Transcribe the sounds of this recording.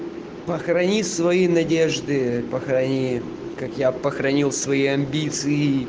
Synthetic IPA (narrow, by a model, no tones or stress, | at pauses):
pəxɾɐnʲisvɐinɐdʲeʐd̪ɨpəxɾɐnʲi | kakjapəxɾɐnʲilˠsvɐiɐmʲbʲit̪sɨɪ